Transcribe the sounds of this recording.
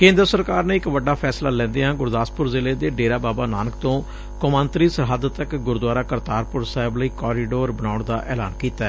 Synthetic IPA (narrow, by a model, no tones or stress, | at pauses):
kẽːnd̪ɾəsəɾkaːɾneːɪkʋəɖaːpʰɛːslaːlɛ̃ːnd̪eːãːɡʊɾd̪aːspʊɾzɪleːd̪eːɖeːɾaːbaːbaːnaːnəkt̪õː | kʊmãːnt̪ɾiːsəɦaːd̪ət̪əkɡʊɾd̪waːɾaːkəɾt̪aːɾpʊɾsaːɦɪbləiːkɔːɾɪːɖoːɾbənaːʊɳd̪aːʔɛːla̰ːnkiːt̪aɛː